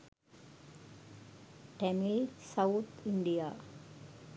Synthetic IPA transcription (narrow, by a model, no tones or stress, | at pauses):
ʈemilsɐwt̪ʰiɳɖija